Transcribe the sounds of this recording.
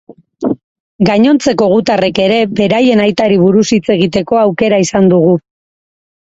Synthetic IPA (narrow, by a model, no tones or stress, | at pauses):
ɡaɲo̞nt͡se̞ko̞ɣut̪are̞ke̞ɾe̞be̞ɾaje̞najt̪aɾiβ̞uɾusit͡se̞ɣit̪e̞ko̞awke̞ɾaisand̪uɣ̞u